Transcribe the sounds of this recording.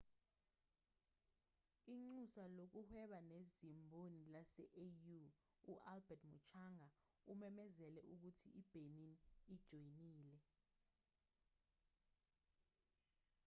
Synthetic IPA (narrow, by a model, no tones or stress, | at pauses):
iŋ͡ǀusalok̬uhwɛɓanezimbʱonilasɛʔeju | uʔalbɛtʰmut͡ʃʰaŋa | umɛmɛzɛlɛʔuk̬utʰḭʔib̥ʱeninid̥ʒ̥ʱojiniːlɛ